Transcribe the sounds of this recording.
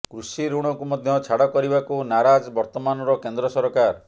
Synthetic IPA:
kɾusiɾuɽ̃ɔkumɔd̪ʱjɔt͡ʃʰaɽɔkɔɾibakunaɾad͡ʒbɔɾt̪ɔmanɔɾɔkend̪ɾɔsɔɾɔkaɾ

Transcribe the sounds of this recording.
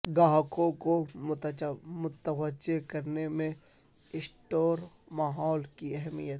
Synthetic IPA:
ɡaːɦkõko | mʊt̪əwəd͡ʒekɐɾnemẽ | ɪsʈoːɾ | maːɦɔːlkiɛɦmijət̪

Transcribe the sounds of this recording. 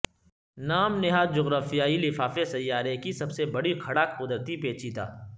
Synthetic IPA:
naːmnɪɦaːd͡ʒʊɣɾaːfijaːilɪfaːfesɐjːaːɾekisɐbsebɐɽikʰɐɽaːkqʊd̪ɾət̪ipeːt͡ʃiːt̪a̰ː

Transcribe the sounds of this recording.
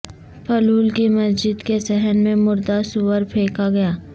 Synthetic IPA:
pʰɐluːlkimɐsd͡ʒɪd̪kesɛɦənmẽmʊɾd̪asʊwəɾpʰeːkaɡɐjaː

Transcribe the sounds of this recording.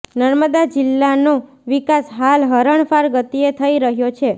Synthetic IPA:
nəɾməd̪ad͡ʒɪlːano | ʋikasɦalɦəɾəɳfaɾɡət̪iet̪ʰəiɾəɦjot͡ʃʰe

